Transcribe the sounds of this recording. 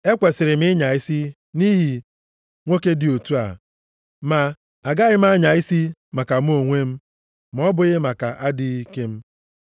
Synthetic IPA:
e˦kʷe˨sɪ˨ɾɪ˨mɪ˦ɲa˨i˦si˦ | ni˦ɦi˨ | ŋʷo˦ke˦dɪ˨o˨tu˦a̰˨ | ma˨ | a˨ɡa˦ɣɪ˦m̩˦a˦ɲa˨i˦si˦ma˨ka˨m̩˦o˨ŋʷe˦m̩˦ | m̩˨˦ɔ˦bʊ˨ɣɪ˦ma˨ka˨ʔa˦dɪ˦i˦ke˦m̩˦

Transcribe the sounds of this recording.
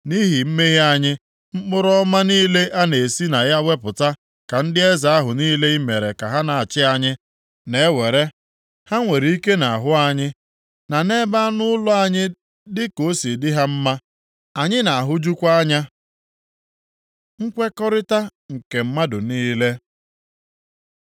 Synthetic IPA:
ni˦ɦi˨m̩˦me˦ɦa˦˨ɲɪ˦ | m̩˦k͡pʊ˦ɾɔ˦ma˦niː˦le˦ʔa˦ne˨si˦na˨ja˦we˦pʊ˨ta˦ | ka˨n̩˦dɪ˦e˦za˨a˦ɦʊ˨niː˦le˦i˦me˨ɾe˨ka˨ɦa˦na˨a˨t͡ʃɪ˦a˨ɲɪ˦ | ne˨˦we˨ɾe˦ | ha˦ŋʷe˨ɾi˨˦i˦ke˦na˨a˨ɦʊ˦a˦ɲɪ˦ | na˨ne˦ba˦nʊ˦lʊ˦a˦ɲɪ˦ | dɪ˦ko˨˦si˨dɪ˦ɦa˦m̩˦ma˦ | a˨ɲɪ˦na˨a˨ɦʊ˦d͡ʒu˦kʷa˦ɲa˦ | ŋ̩˦kʷe˦kɔ˦ɾɪ˦ta˦ŋ̩˨ke˨m̩˦ma˦dʊ˨niː˦le˦

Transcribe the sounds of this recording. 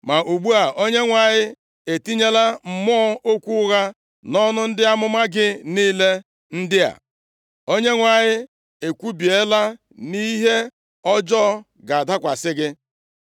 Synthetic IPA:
ma˨ʔu˨ɡ͡bu˦a˨o˦ɲe˦ŋʷa˨ɲɪ˦ | e˨ti˦ɲe˦la˦m̩˨mɔ˦ɔ˦o˦kʷu˦ɣa˦ | nɔ˦nʊ˦n̩˦dɪ˦a˦mʊ˦ma˦ɡɪ˦niː˦le˦ | n̩˦dɪ˦a̰˨ | o˦ɲe˦ŋʷa˨ɲɪ˦ | e˨kʷu˦bi˨e˦la˦ | ni˦ɦe˦ | ɔ˦d͡ʒɔ˦ | ɡa˨a˨da˦kʷa˨sɪ˦ɡɪ˦

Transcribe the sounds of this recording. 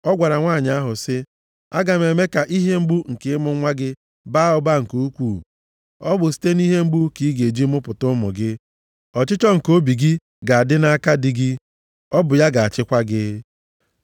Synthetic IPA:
ɔ˦ɡʷa˨ɾa˨ŋʷa˦˨ɲɪ˨˦a˦ɦʊ˨sɪ˦ | a˦ɡa˨me˨me˦ka˨ʔi˦ɦe˦ŋ͡m̩˦ɡ͡bu˦ŋ̩˨kɪ˦ɪ˦mʊ˦ŋʷa˦ɡɪ˦ | ba˦ʊ˦ba˦ŋ̩˨ko˦u˦kʷuː˨ | ɔ˦bʊ˨s̬i̥˦te˦ni˦ɦe˦ŋ͡m̩˦ɡ͡bu˦ki˦ɡe˨d͡ʒi˦mʊ˦pʊ˨tʊ˦mʊ̰˨ɡɪ˦ | ɔ˨t͡ʃɪ˦t͡ʃɔ˦ŋ̩˨ko˦bi˨ɡɪ˦ | ɡa˨a˨dɪ˦na˦a˦ka˦dɪ˦ɡɪ˦ | ɔ˦bʊ˨ja˦ɡa˨a˨t͡ʃɪ˦kʷa˦ɡɪ˦

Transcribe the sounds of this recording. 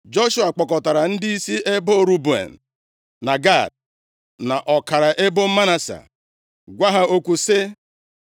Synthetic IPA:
d͡ʒo˦ʃu˦a˨k͡pɔ˨kɔ˨ta˨ɾa˨n̩˦dɪ˦i˦si˦ʔe˦bo˦o˦˨ɾu˦bu˨ḛ˨n̩˨ | na˨ɡa˦˨d̚ | na˨ʔɔ˨ka˨ɾa˨ʔe˦bʊ˦m̩˦ma˦na˦sa̰˨ | ɡʷa˦ɦa˦o˦kʷu˨sɪ˦

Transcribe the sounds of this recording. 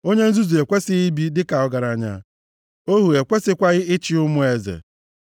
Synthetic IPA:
o˦ɲe˦n̩˦zu˦zu˨e˨kʷe˦sɪ˦i˦bi˦dɪ˦ka˨ɔ˦ɡa˨ɾa˨ɲa̰˨ | o˦ɦu˨e˨kʷe˦sɪ˦kʷa˦ɣɪ˦ɪ˦t͡ʃɪ˦ʊ˦mʊ˦e˨zḛ˨

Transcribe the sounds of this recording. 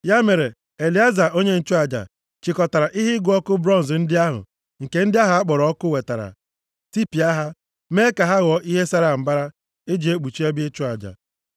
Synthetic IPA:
ja˦me˨ɾe˨ | e˨li˨a˦za˨ʔo˦ɲe˦n̩˦t͡ʃʊ˦a˨d͡ʒa̰˨ | t͡ʃi˨kɔ˨ta˨ɾa˨ʔi˦ɦɪ˦ɡʊ˨˦ɔ˦kʊ˦bɾɔ˦n̩˨zn̩˦dɪ˦a˦ɦʊ̰˨ | ŋ̩˨ke˦n̩˦dɪ˦a˦ɦʊ˨a˦k͡pɔ˨ɾɔ˨˦ɔ˦kʊ˦we˨ta˨ɾa̰˨ | ti˦pi˨a˦ɦa˦ | me˦ka˨ɦa˦ɣɔ˨ʔi˦ɦe˦sa˦ɾa˨m̩˨ba˦ɾa˦ | e˦d͡ʒi˨e˦k͡pu˨t͡ʃi˦e˦bɪ˦t͡ʃʊ˦a˨d͡ʒa̰˨

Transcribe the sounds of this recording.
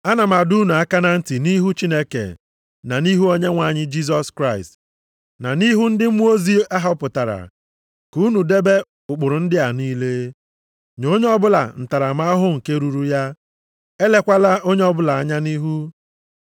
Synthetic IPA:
a˦na˨ma˨du˦nu˨a˦ka˦na˦n̩˦ti˨ni˦ɦu˦t͡ʃi˦ne˦kḛ˨ | na˨ni˦ɦu˦o˦ɲe˦ŋʷa˨ɲɪ˦d͡ʒi˦s̬ɔ˦skɾa˦ɪ˨st | na˨ni˦ɦu˦n̩˦dɪ˦mu˦o˦zi˦a˦ɦa˨˦pʊ˨ta˨ɾa̰˨ | ku˦nu˨de˦be˦ | ʊ˨k͡pʊ˨ɾʊ˨n̩˦dɪ˦a˨niː˦le˦ | ɲo˦ɲe˦ɔ˦bʊ˦la̰˨n̩˨ta˨ɾa˨ma˦ɦʊ˦ŋ̩˨ke˦ɾu˦ɾu˦ja˦ | e˦le˦kʷa˦la˦o˦ɲe˦ɔ˦bʊ˦la˨a˦ɲa˦ni˦ɦu˦

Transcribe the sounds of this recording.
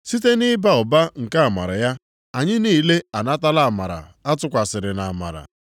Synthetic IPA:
si˦t̬e˦nɪ˦ba˦ʊ˨ba˦ŋ̩˨ka˦a˨ma̰˨ɾa̰˨ja˦ | a˨ɲɪ˦niː˦le˦a˨na˦ta˦la˦˨ma̰˨ɾa̰˨a˦tʊ˦kʷa˨sɪ˨ɾɪ˨na˨ma̰˨ɾa̰˨

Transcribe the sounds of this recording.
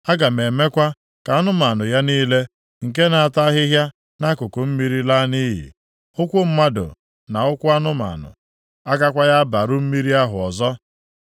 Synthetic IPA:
a˦ɡa˨me˨me˦kʷa˦ | ka˨a˦nʊ˦ma˨nʊ˨ja˦niː˦le˦ | ŋ̩˨ke˦na˨a˨ta˦ɦɪ˦ɦja˦ | na˦kʊ˨kʊ˨m̩˦mi˦ɾi˦la˦ni˦ɦḭ˨ | ʊ˦kʷʊ˦m̩˦ma˦dʊ̰˨ | na˨ʊ˦kʷʊ˦a˦nʊ˦ma̰˨nʊ̰˨ | a˦ɡa˦kʷa˦ja˦ba˨ɾʊ˦m̩˦mi˦ɾi˦a˦ɦʊ˨ɔ˨zɔ˦

